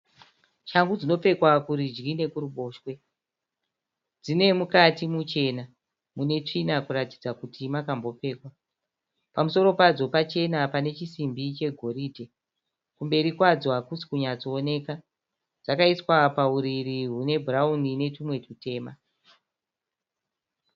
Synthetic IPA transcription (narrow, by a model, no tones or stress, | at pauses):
t͡ʃaŋɡud͡zino̞p͡fe̞kwakuɾid͡ʒɡine̞kuɾuɓo̞ːʃwe̞ | d͡zine̞mukatimut͡ʃe̞ːna | mune̞t͡ʂinakuɾatid͡zakutimakambo̞p͡fe̞ːkwa | pamuso̞ɾo̞pad͡zo̞pat͡ʃe̞napane̞t͡ʃisimbit͡ʃe̞ɡʱo̞ɾiːdʱe̞ | kumbe̞ɾikwad͡zwakusi̥kuɲat͡soːne̞ːka | d͡zakaiswapauɾiɾiɦune̞bʱuraunine̞tumwe̞tute̞ːma